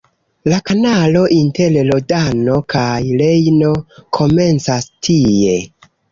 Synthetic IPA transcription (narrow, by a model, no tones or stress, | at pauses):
lakanalo̞ʔinte̞llodano̞kajle̞jno̞kʰo̞me̞nt͡sastʰie̞